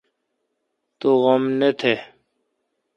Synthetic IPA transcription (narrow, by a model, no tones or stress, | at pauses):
t̪oɣɐmnet̪ʰe